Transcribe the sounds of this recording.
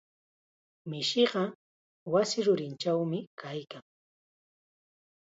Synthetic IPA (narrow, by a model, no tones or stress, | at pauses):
mɪʃɪɢɑ | wasɪɾʊɾɪnt͡ʃawmɪkʰajkaŋ